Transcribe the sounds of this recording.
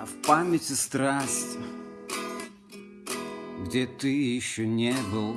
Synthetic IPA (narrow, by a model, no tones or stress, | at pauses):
fpamʲɪtʲɪst̪ɾasʲtʲɪ | ɡdʲet̪ɨjɪɕːonʲebɨlˠ